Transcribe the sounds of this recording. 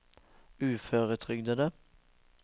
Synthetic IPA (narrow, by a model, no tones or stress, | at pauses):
ʉːføːʁət̪ʰʁʏɡd̪əd̪ə